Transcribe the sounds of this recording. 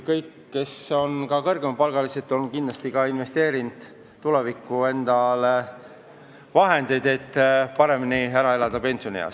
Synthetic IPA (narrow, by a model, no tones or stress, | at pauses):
kɤjkːe̞so̞nkɑkɤ̞rɡemɑpɑlɡ̥ɑliset̪ːˑonkind̪lɑst̪ikɑinve̞st̪e̞ːɾind̪̥ | t̪ːulevikːˑue̞nd̪ɑl | vɑɦe̞nd̪e̞jd̪̥e̞t̪ːpɑɾe̞miniæɾɑe̞lɑd̪̥ɑpe̞nʲsionḭɑ̰ws